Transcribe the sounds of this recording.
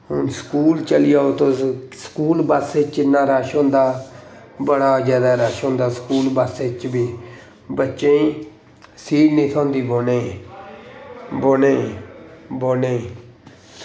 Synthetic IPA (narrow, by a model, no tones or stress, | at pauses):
ɦʊnskuːlt͡ʃəlɪjaːot̪õːskuːlbəsɪt͡ʃnaːɾaːʃõːnd̪aː | bəɽaːd͡ʒjaːd̪aːɾaːʃõːnd̪aːskuːlbaset͡ʃbiː | bətːʃẽiː | siːɽnĩːt̪ʰɔ̃ːnd̪iːboːnẽː | boːnẽ | boːneːiː